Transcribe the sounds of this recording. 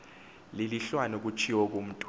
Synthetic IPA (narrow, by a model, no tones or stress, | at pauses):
liliɬwanɔk̬ut͡ʃʰiwɔk̬ʼum̩tʼ